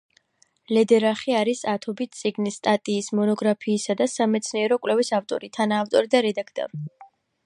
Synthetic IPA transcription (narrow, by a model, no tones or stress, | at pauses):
lɛd̪ɛɾaχiaɾisat̪ʰɔbit̪̚ʰt̪sʼiɡnist̪ʼat̪ʼiːsmɔnɔɡɾapʰiːsad̪asamɛt̪sʰniɛɾɔkʼwlɛvisaft̪ʼɔ̰ɾit̪ʰanaːft̪ʼɔɾid̪aɾɛd̪akʰt̪ʼɔ̰ɾ